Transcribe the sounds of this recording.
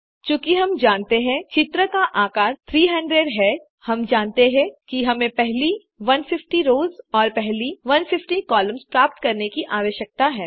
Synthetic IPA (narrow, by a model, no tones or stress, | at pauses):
t͡ʃũːkiɦɐmd͡ʒaːnt̪eɦɛ̃t͡ʃɪt̪ɾəkaʔaːkaːɾt̪ʰɾiːɦɐ̃ɳɖɾeɖɦɛː | hɐmd͡ʒaːnt̪eɦɛ̃kiɦɐmẽpɛɦli | ʋɐnfɪfʈiɾoːzɔːɾpɛɦliʋɐnfɪfʈikɔːlə̃mzpɾaːp̚t̪kɐɾnekiʔaːʋəʃjək̚t̪aɦɛː